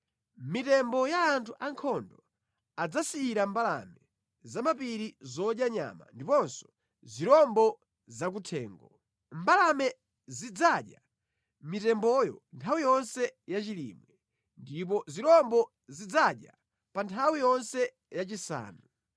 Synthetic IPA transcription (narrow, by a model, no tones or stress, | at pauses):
mitɛmbɔjaːntʰuʔaŋkʰɔndɔ | ad͡zasiːɾambala̰mɛ | zamapiɾizɔɗjaɲa̰ma̰ndipɔnsɔ̥ | ziɾɔmbɔ | zak̬utʰɛːŋɡɔ | mbalamɛ | zid͡zaːɗja | mitɛmbɔjɔ̰ntʰawijɔnsɛjat͡ʃilḭmwɛ | ndip̬ɔziɾɔmbɔ | zid͡zaɗja | pantʰawijɔnsɛ | jat͡ʃisa̰ːnu